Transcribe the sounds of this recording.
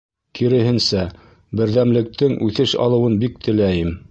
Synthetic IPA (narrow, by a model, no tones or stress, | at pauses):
kiɾɘ̆hɘ̆nsæ | bɘ̆ɾðæmlɘ̆k̚t̪ʰɘŋʔʉθɘʃɑ̰lˠɤ̆wɤnbik̚t̪ʰɘ̆læjɘm